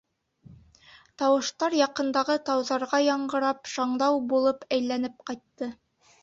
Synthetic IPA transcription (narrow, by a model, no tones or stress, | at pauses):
t̪ɑwɤ̆ʃt̪ɑɾjɑqɤ̆nd̪ɑʁɤt̪ɑwðɑɾʁɑjɑɴɢɤ̆ɾɑpʃɑɴd̪ɑwbulˠɤpæjlænɘp̚qɑjt̪ːɤ